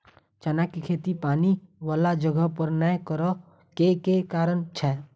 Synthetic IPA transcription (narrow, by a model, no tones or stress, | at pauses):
t͡ʃənakikʰeːt̪ipaːniʋaːlad͡ʒəɡəpəɾnɛkəɾə | kekekaːɾənt͡ʃʰɛː